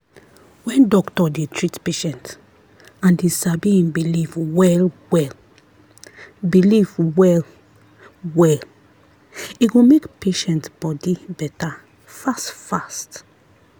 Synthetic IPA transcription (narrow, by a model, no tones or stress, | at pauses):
wɛ̃ndɔktɔdetʰɹitpeʃɛ̃nt | ãndesabiĩnbilivwɛlwɛl | bilivwɛl | wɛl | iɡomekpeʃɛ̃ntb̥ɔdibɛta | fastfast